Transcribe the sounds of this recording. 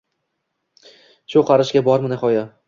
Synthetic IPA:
ʃʊqʰɑɾɪʃɡʲabɒɾmɪnɪχɒja

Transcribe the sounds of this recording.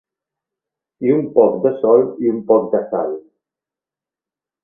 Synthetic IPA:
iumpɔkd̪əsɔliumpɔk̚d̪asa̰l

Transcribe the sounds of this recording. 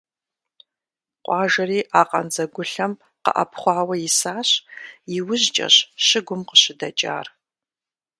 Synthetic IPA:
qʷʼɑːʒɐriːʔaːqʼɐ̰nzɐɡʷʊɬɐm | qə̰ʔɐ̰pʰχʷɑːwɐjɪsaːɕjɪwʊʑt͡ʃʼɐ̰ɕʃɪɡʷʊmqəɕɪdɐt͡ʃʼa̰ːr

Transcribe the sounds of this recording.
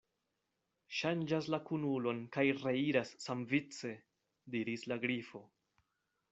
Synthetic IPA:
ʃand͡ʒaslakunulo̞nkajɾeiɾasːamvit͡se̞ | diɾislaɡɾifo̞

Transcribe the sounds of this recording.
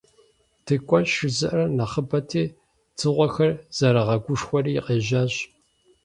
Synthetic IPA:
tʰɨkʷʼɔʃɪzɨʔrɐnɐχəbɐtʰeː | t͡sʰɨʁʷɔxɐrz̥ɐɾɐʁɐɡʷʊʂxʷɔriːqeːʑaːɕ

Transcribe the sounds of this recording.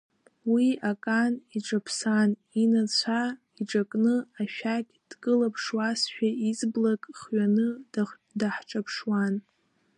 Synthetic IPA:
wiakʼaniʈ͡ʂʼapʰsaninat͡ɕʷʰa | iʈ͡ʂʼakʼnɨaʃᶣakʲʼd̥kʼɨlapʰʂwasʃᶣaizblakʼχɥanɨ | daħʈ͡ʂʼapʰʂwan

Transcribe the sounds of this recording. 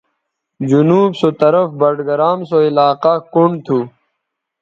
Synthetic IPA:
d͡ʑunuːbsot̪ɐɾəfbɐɖɡɐɾaːmsoilaːqakuɳɖt̪ʰu

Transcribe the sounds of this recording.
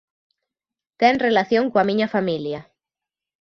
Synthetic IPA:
t̪ɛŋrelaθjõŋkoamĩɲafamilja

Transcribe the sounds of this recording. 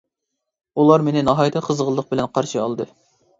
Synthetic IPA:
ulˠɑɾmenɪnɑɦɑjt̪ʰɨqʰəzʁəlˠːəq̚bɪlɛnqʰɑɾʃiɑlˠɨd̪ɨ

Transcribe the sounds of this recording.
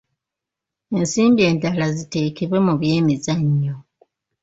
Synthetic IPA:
e̞nsiːmbie̞ːndalazite̞ːkiβwe̞muβje̞ːmizaɲːo

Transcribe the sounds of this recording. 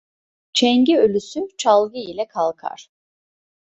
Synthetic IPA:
t͡ʃʰɛɲɟiølʲysyt͡ʃʰalˠɡɯilʲɛkʰalˠkʰa̰ɾ̥

